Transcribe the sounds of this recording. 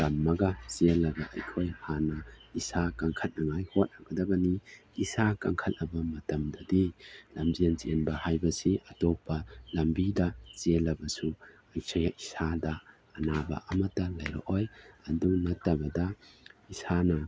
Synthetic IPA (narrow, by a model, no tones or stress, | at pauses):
kanmɐɡɐselːɐɡɐʔɐjkʰojhanɐisakaŋkʰɐt̚nɐŋajhot̚naɡɐdɐɡɐniisakɐ̰ŋkʰɐt̚nɐbɐmɐtɐmdɐdilɐmbiɐnt͡ʃenbɐhajbɐsiʔɐtopːɐlɐmbidɐzelːɐbɐsu | ɐjsʰɐjaisadɐː | nabɐ̰ʔɐmɐtːɐlɐjɾo̰ʔojɐdunɐtːɐbɐdɐisanɐ